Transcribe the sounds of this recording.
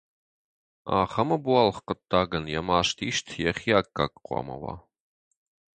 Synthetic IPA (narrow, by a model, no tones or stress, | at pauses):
a̰ːχɐmɐbualχqət̪ʰʼːaːɡɐnjɛmaːʂtʰiːʃtʰjɛχʲiaːkːa̰kʼqʷɑ̰mɐ̰wɑ̰ː